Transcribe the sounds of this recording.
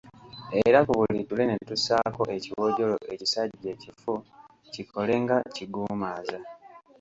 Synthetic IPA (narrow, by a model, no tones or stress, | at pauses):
eɾakuβulitule̞ne̞tusaːko̞ʔe̞ciwo̞ɟo̞lo̞̰ʔe̞cisaɟɟe̞ːcifu | cikʰo̞le̞ŋɡaciɡuːmaːza